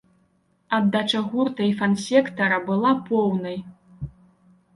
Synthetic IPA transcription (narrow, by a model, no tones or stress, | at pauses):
ɐd̪ːat͡ʂɐɣurt̪ɐjfɐnsʲɛkt̪ɐɾɐbɨlˠapɔwnɐj